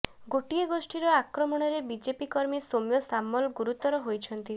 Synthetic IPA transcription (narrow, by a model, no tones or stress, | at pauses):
ɡoʈieɡosʈiɾɔakɾɔmɔɽ̃ɔɾebid͡ʒepikɔɾmisomjɔsamːɔlɡuɾut̪ɔɾɔɦojt͡ʃʰɔnt̪i